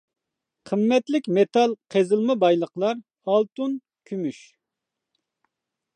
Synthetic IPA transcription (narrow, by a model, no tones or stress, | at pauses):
qʰəmːɛt̪lɪkʲmet̪ɑlˠqʰezɨlˠmɑbɑjlˠəqlˠɑɾ | ɑlˠt̪un | kʲʰymyʃ